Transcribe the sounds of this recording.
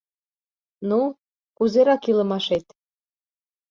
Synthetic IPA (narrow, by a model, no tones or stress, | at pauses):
nu | kuzeɾɑkilɤ̆mɑʃet̪